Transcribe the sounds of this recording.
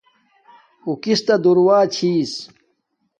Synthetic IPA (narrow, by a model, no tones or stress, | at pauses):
ukist̪ɐd̪uɾwaːt͡ɕʰiːs